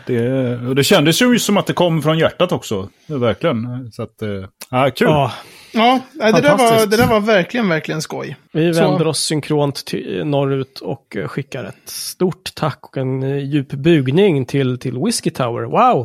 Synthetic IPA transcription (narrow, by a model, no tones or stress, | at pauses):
d̪̥ɛɔd̪ɛɕɛnd̪əsjɵmsɔmat̪̚d̪ɛkʰɔmːəɾfɾɔnjæʈːat̪ɔksɔ | væɾklɪɡənsat̪akʰʉ̟ɑː | ɑːɛɪd̪ɛd̪æɾvad̪ɛd̪æɾvavæɾkʰlɪɡənvæɾklɪɡənskɔjːvɪvɛnd̪əɾɔsːʏŋkʰɾuːnt̪ʰːɪ̰lnɔɾʉ̟ːt̪ʰɔ̰kɧɪkːaɾɛ̰t̪st̪uːʈːt̪ʰːakːɔ̥kɛnjʉ̟ːpbʉ̟ːɡnɪŋt̪ʰɪlt̪ʰɪlwɪskɪt̪ʰaʊə̰ɾwaʊ